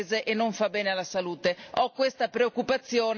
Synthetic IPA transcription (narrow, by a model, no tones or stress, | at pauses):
zeʔenːoɱfabɛːnealasaluːt̪eɔkːwest̪apɾeokːupat̪sːjɔːn